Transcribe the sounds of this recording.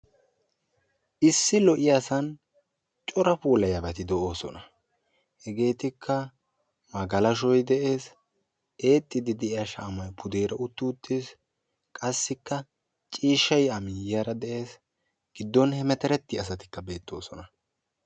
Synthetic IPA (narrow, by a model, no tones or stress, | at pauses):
ʔɪsːɪlɔʔɪjaːsɐn | t͡ʃʼɔɾɐpuːlɐjɐbɐt̪ɪd̪ɛʔo̞ːsɔnɐ | hɛɡe̞ːt̪ɪkʰːɐ | mɐɡɐlɐʃɔjd̪ɛʔe̞ːs | e̞ːt̪ʼːɪd̪ɪd̪ɛʔɪjɐʃɐːmɐjpʰʊd̪eːɾɐʊt̪ːʊʊt̪ːis | kʼɐsːɪkːɐ | t͡ʃʼiːʃːɐjɐmɪjɐɾɐd̪ɛʔe̞ːs | ɡ̥ɪd̪ːɔnhɛmɛt̪ɛɾɛt̪ːɪɐs̬ɐt̪ɪ̥kːɐbe̞ːt̪ːo̞ːsɔnɐ